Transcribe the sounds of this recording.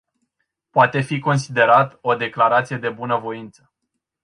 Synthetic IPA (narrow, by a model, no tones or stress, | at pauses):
poat̪e̞fiko̞ns̬id̪e̞ɾat̪o̞d̪e̞klaɾat̪sije̞d̪e̞bunəvo̞int̪sə̥